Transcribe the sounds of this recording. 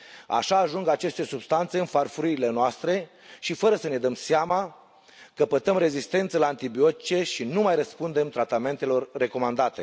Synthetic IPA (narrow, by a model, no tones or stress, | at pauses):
a̰ʃaːʒuŋɡat͡ʃe̞st̪e̞subst̪ant̪se̞ɨnfarfuɾiile̞noast̪ɾe̞ | ʃifəɾəsəne̞d̪əmseama | kəpət̪əmɾe̞zist̪e̞nt̪səlaant̪ibio̞t̪it͡ʃe̞ʃinumajrəspund̪e̞mt̪ɾat̪ame̞nt̪e̞lo̞rːe̞ko̞mand̪at̪e̞̰